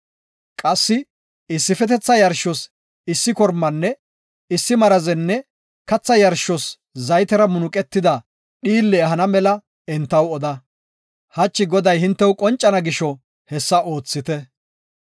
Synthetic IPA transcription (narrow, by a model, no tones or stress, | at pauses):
kʼɐsːɪ | ɪsːɪfɛt̪ɛt͡sːɐjɐɾʃɔs | ɪsːɪkɔɾmːɐnːɛ | ɪsːɪmɐɾɐzɛnːɛ | kɐt͡sːɐjɐɾʃɔs | zɐjt̪ɛɾɐmʊnʊkʼɛt̪ːɪd̪ɐ | ɗiːlːɛɦɐnɐmɛlɐ | ɛnt̪ːɐwɔd̪ɐ | hɐt͡ʃːɪɡɔd̪ɐjhɪnt̪ːɛwʊkʼɔnt͡ʃʼːɐnɐɡɪʃɔ | hɛsːɐo̞ːt͡sːɪt̪ɛ